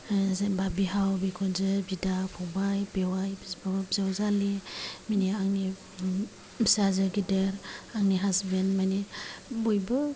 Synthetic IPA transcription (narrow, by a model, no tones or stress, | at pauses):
zbabiɦawbikʰɔnzɯbidapʰɔbajbewajbabzawzaliminiaŋni | sazɯɡideɾaŋniɦasbendmajnibojbɯ